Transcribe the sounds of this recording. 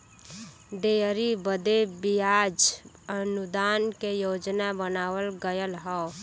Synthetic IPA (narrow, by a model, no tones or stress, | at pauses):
d̪eəɾibəd̪ebijad͡ʒ | ənʊd̪aːnkejoːd͡ʒnabənaːwəlɡəjəlɦɔ